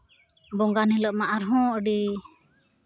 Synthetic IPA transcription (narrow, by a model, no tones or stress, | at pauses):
bɔŋɡanɛləʔ̚maʔaɾɦɔ̃ʔəɖi